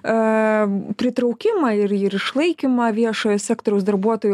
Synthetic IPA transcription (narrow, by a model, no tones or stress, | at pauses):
pʲɾʲɪt̪ɾɐʊkʲɪmɐɪɾɪɾɪʃlˠɐɪkʲimɐʋʲiɛʃoːjoːsʲæːkt̪oːɾʲɛʊsd̪ɐɾbuɔt̪oːj